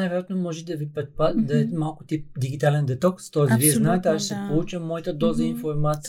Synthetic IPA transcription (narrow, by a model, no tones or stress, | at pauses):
ajvɛɾjat̪nomɔʒɛd̪ɐvipɾɛt̪̚pad̪ɐɛmalˠkʊ̥t̪ip̚d̪iɡit̪alɛnd̪ɛt̪ɔkst̪ɔɛsviɛznaɛt̪ɛaʒsɛpolˠut͡ʃəmːɔit̪əd̪ɔzəinfoɾmat̪s